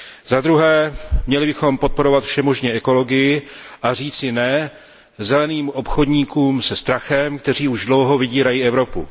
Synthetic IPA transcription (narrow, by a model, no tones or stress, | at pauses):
zad̪ɾuɦɛːmɲɛlɪbɪxo̞mpo̞t̪̚po̞ɾo̞vat̪fʃɛmo̞ʒɲɛʔɛko̞lo̞ɡɪjɪʔar̝iːt͡sɪnɛ | zɛlɛniːmʔo̞pxod̪ɲiːkuːmsɛst̪ɾaxɛmk̚t̪ɛr̝iːuʒdlo̞wɦo̞vɪɟiːɾajiːɛvɾo̞pṵ